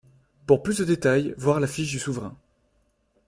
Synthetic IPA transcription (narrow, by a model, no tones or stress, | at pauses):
puʁplysd̪əd̪et̪ajvwaʁlafiʃd̪ysuvʁɛ̃